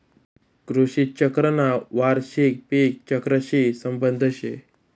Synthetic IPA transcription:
ɡɾoɕit̪̚t͡ɕəkɾənaʋaɾɕek̚pek̚t͡ɕəkɾəɕisəmbənd̪ʱəɕe

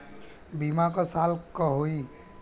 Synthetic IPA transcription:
bimakɔsalkɔɦoi

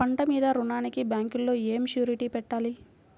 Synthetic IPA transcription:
ɐɳʈɐmiːd̪ɐɾunaːnikibaːŋkulːo̞ːeːmʃjuːɾiʈiːpɛʈːaːli

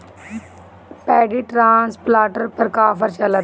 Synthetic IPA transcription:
pɛːɖiːʈɾãːnsplaːʈəɾpəɾkaːpəɾt͡ʃələt̪

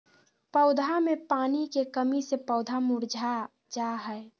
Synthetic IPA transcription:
pəʊd̪ʱamepaːnikekəmisepəʊd̪ʱamuɾd͡ʒʱa | d͡ʒaɦɛe

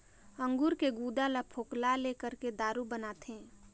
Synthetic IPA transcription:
ə̃ŋɡuɾkeɡud̪alapʰoːklalekəɾked̪aːɾubənaːt̪ɦẽː

